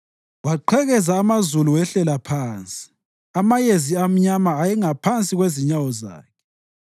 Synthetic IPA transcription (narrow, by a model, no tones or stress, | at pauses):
waǃʰɛɣɛzaːmazuluwɛɬɛlapʰaːnt͡sʼi̥ | amajeziam̩ɲamaːjɛŋapʰant͡sʼiɣweziɲawɔza̰ːkʰɛ̥